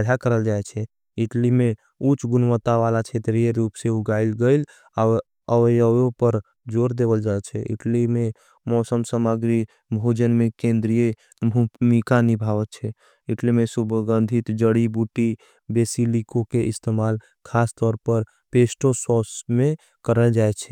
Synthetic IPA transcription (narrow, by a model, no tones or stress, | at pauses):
d͡ʒʱakəɾəld͡ʒaɛt͡ʃʰɛ | iʈlime | ut͡ʃɡunmət̪aʋalat͡ʃʰet̪ɾijeɾupseuɡailɡəɪl | a | əʋəjəopəɾ | d͡ʒoɾd̪ebəld͡ʒaɛt͡ʃʰɛḭʈlime | mɔsəmsəməɡɾi | bʱod͡ʒənmekẽnd̪ɾije | mikanibʱaʋət̪̚t͡ʃʰɛ | iʈlimesubɡə̃nd̪ʱit̪d͡ʒəɽibuʈi | besilikokeʔist̪emal | kʰast̪ɔɾpəɾ | pesʈosɔsme | kəɾəld͡ʒaɛt͡ʃʰɛ